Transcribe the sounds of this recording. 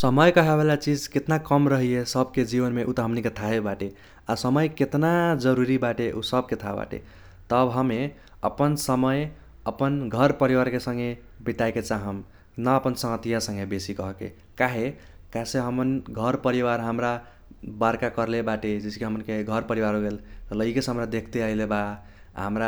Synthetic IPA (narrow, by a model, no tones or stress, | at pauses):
səməjkʌɦeβelat͡ʃid͡ʒket̪nakʌmɾəɦijesʌbked͡ʒibənmeʔut̪ʌɦʌmniket̪ʰaɦebaʈe | asʌmʌjket̪nad͡ʒəɾuɾibaʈeʔusʌb̚ket̪ʰaba̰ʈḛ | t̪ʌbɦʌme | ʌ̰pənsəmʌj | ʌpənɡʱʌɾpəɾiwaɾkesʌ̃ŋɡe | biʈ̪ajket͡saɦəm | nʌːpʌnsʌŋɡʌt̪ijasʌ̃ŋɡebesikʌɦkḛ | kaɦe | kaseɦʌmʌnɡʱʌɾpʌɾiwaɾɦəmɾa | baɾkakʌɾlebaʈed͡ʒiskeɦʌmnkeɡʱʌɾpʌɾiwaɾoɡellʌikesɦʌmɾad̪ekʰt̪eʌileba | ɦa̰mɾa